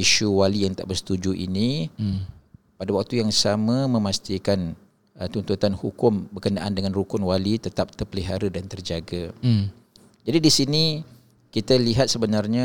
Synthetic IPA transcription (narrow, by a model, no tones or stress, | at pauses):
iʃuwalijaŋt̪a̰ʔbərsə̥t̪ud͡ʒuʔḭni | padawak̚t̪ujaŋsamamə̃mast̪ikan | ət̪unt̪ut̪anhukʊmbərkənaʔandəŋãnrukʊnwalit̪ət̪ap̚t̪ərpəliɦaɾədant̪ərd͡ʒaɡa | d͡ʒadidisini | kit̪aliɦat̪̚səbənarɲã